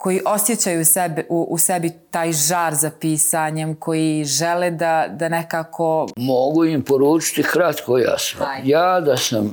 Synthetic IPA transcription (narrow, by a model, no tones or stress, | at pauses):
kʰo̞jiʔo̞sjet͡ɕajusebiʔuʔusebit̪aːjʒaːɾzapiːsaɲe̞mko̞jiʒeleːd̪ad̪ane̞kaːkʰo̞moɡuimpoɾuːt͡ʃɪ̥t̪ixɾat̪koja̰snojaːd̪asam